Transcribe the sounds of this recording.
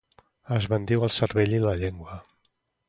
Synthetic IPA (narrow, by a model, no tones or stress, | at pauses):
əzβənd̪iwəlˠsəɾβeʎiləʎeŋɡwə